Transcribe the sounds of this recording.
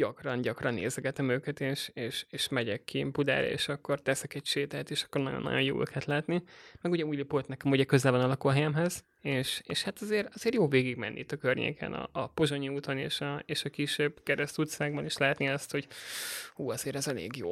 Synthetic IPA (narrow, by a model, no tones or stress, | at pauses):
ɟɒkrɒnɟɒkrɒnːḛːzɛɡɛt̪ɛmøːkɛt̪eːʃeːʃeːʃmɛɟɛkːibud̪a̰ːɾɒ̰ḛːʃɒkːo̞rt̪ɛsɛkɛcʃeːt̪ɛːt̪eːʃɒ̥kːo̞rnɒ̰jo̰nːɒ̰ɟonjo̰ːʔø̰ːkɛt̪laːt̪nimɛɡuɟɛuːjlipoːt̪nɛkɛmuɟɛkø̞zɛlvɒnɒlɒkolɦɛjɛmɦɛz | eːʃeːʃhat̪ɒzeːɾɒzeːrjoːveːɡiɡmɛ̰nːḭit̪ːɒkørɲḛːkʰɛ̰nɒ̰ːpo̞ʒoɲiut̪onḛːʃɒeːʃɒkiʃebkɛɾɛst̪ut̪saːɡ̚bɒniʃlaːɛt̪niɒst̪ho̞ɟhuːɒz̥eːɾɛzɛlḛːɡjo̰ː